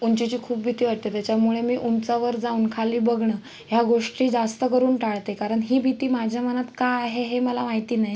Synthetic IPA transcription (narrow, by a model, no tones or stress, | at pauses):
unt͡ɕit͡ɕiːkʰuːp̚bʱit̪iːʋaʈ̚t̪et̪jat͡ɕjamuɭemiːʔunt͡saʋəɾd͡zauːnkʰaliːbəɡɳə | ɦjaɡoʂʈiːd͡zast̪əkəɾuːnʈaɭt̪ekaɾəɳɦiːbʱit̪iːmad͡ʑʱjamənat̪kaaɦeɦeməlamaɦit̪iːnaɦj